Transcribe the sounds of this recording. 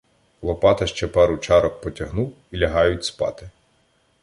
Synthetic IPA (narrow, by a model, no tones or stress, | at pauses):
lˠɔpɑt̪ɐʃt͡ʃɛpɛɾʊt͡ʃɑɾɔk̚pɔtʲɐɦnuw | ilʲɐɦɑjʊtʲspɑ̰t̪ɪ